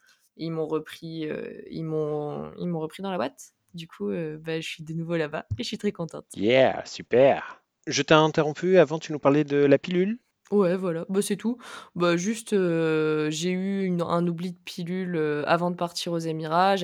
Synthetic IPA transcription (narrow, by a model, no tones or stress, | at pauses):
ilmɔ̃ʁəpχiø̰ḭlmɔ̃ḭlmɔ̃ʁəpχid̪ɑ̃labwat̪ | d̪ykʰuøbaʒəsɥid̪ənuvolabaeʒəsɥit̪χɛkɔ̃t̪ɑ̰̃t̪jɛ̰sypɛʁ | ʒət̪ɛɛ̃t̪eʁɔ̃pyavɑ̃t̪ynupaʁled̪əlapilyl | wɛvwalabasɛt̪ubaʒyst̪ø | ʒeyynɛ̰̃nublid̪əpʰilyløa̰vɑ̃d̪əpaʁt̪ʰiʁozamiʁaʒ